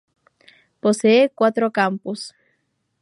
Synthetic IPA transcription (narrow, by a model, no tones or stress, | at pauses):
poseekwat̪ɾokampus